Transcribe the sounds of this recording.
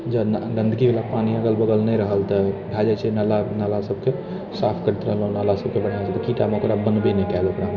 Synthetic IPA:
d͡ʒənd̪ə̃nd̪kibelapaniəɡəlbəɡ̪əlnəɾəɦəlt̪əɖʱad͡ʒat͡ʃenalanalasəb̚ke | sapʰkəɾət̪ɾəɦəlɔnalasəb̚kebəɽ̤ad͡ʒat̪əkiʈamokɾabənbenɛkaləpɾam

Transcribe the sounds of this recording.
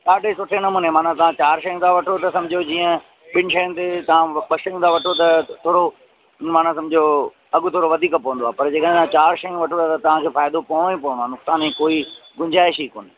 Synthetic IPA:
ɗaːɖʱesʊʈʰenɐmũːnemaːnãt̪ɐʋãt͡ɕaːɾʃɐjə̃nt̪ʰaʋɐʈʰot̪ɐsɐ̃md͡ʑʱod͡ʑiːə̃ | ɓɪnɪʃɐjənɪt̪et̪ɐʋ̤ãɓɐʃɐjũt̪ʰaʋɐʈʰot̪ɐt̪ʰoːɾo | maːn̤ãs̬ɐ̃md͡ʑʱo | ɐɡʊt̪ʰoːɾoʋɐd̪ʱiːkpɐʋə̃nd̪oaːpɐɾd͡ʑeːkə̃ãt͡ɕaːɾʃɐjũʋɐʈʰõat̪ɐt̪ɐʋ̤ãkʰeːfaːɪd̪opɐɦɽ̃õĩpɐʋə̃ñoaːnʊksaːnɦĩkoːiɡʊ̃ɲd͡ʑaːɪʃiːko̰ːnɪ

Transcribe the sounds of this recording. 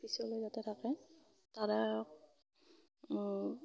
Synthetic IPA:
pisɔlojzatɛtʰakɛ | taɹɛ

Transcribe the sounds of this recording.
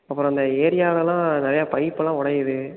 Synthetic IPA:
ɐpːɯɾõːɪnd̪ɐeːɾɪjaːlɐlãːnɪɾɐjaːpɐɪpːɯlãːʊɽɐjɯðɯ

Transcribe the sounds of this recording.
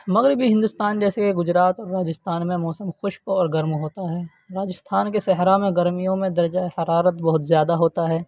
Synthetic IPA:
mɐɣɾɪbʱiɦɪ̃nd̪ust̪aːnd͡ʒɛːsekeɡʊd͡ʒɾaːt̪ɔːɾːaːd͡ʒɪst̪aːnmẽmɔːsəmxʊʃkɔːɾɡɐɾmɦoːt̪aɦɛː | ɾaːd͡ʒɪst̪ʰaːnkesɛɦɾamẽɡɐɾmijõmẽd̪ɐɾd͡ʒahɐɾaːɾət̪bɐɦʊt̪zjaːd̪aɦoːt̪aɦɛː

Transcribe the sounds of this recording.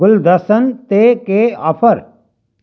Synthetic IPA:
ʊld̪ɐsənt̪eːkeːɐpʰəɾ

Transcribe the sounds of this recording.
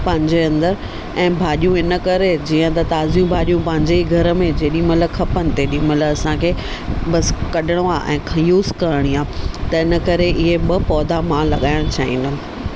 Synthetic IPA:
pɐ̃ɦɪ̃ɲd͡ʑeɐ̃nd̪əɾ | ɛ̃ːbʱaːɗijũɪnə̆kɐɾed͡ʑiːə̃t̪ɐt̪aːzijũbʱaːɗijũpɐ̃ɦɪ̃ɲd͡ʑeiɡʱɐɾə̆mẽd͡ʑeːɗĩmɐt̪ləkʰɐpənɪ̆t̪eːɗimɐt̪ləbɐsãkʰeː | ɓɐskɐɗʱɪɽ̃oaːʔɛ̰̃ːkʰjuːzkɐɾəɽ̃iaːt̪ɐɪnəkɐɾeʔɪɦeɓɐpɔːd̪ʱamãːlɐɠaːɪɽ̃t͡ɕʰaːɦḭ̃ːno

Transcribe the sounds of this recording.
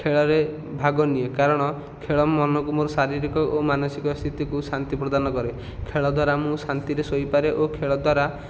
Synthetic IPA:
kʰeɭɔɾe | bʱaɡɔniekaɾɔɽ̃ɔ | kʰeɭɔmɔnɔk̬umuɾsaɾiɾikɔʔomanɔsikɔst̪ʰit̪ikusant̪ipɾɔd̪anɔkɔɾe | kʰeɭɔd̪ʱwaɾamũsant̪iɾesojpaɾeʔokʰeɭɔd̪waɾa

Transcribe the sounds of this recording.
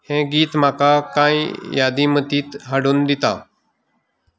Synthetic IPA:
hẽːɡiːt̪maːkaːkaːĩːjaːd̪iːmət̪iːt̪ɦəɽund̪ɪt̪a̰ː

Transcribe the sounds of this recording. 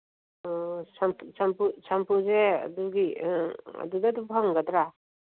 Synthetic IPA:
ɔsampsampusampuzea̰duɡi | ɐ̰dudad̪ubʱaŋɡad̪ɾa

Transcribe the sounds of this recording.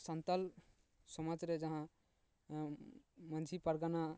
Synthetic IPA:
sant̪əl | sɔməd͡ʒɾed͡ʒəɦã | mənd͡ʒʱipəɾɡana

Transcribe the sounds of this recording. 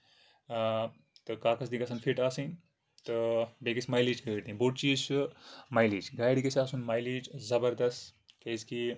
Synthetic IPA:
t̪ɨkaːkɐsd̪ikɐsɐːnfʰiʈaːsĩn | t̪ɨbeːkismɐjliːt͡ʃɡajɖt̪ĩboːʈt͡ʃiːzt͡ʃumɐjliːt͡ʃɡaːjɖikɐsaːsunmɐːjliːd͡ʒzɐbɐɾd̪ɐst̪kejzki

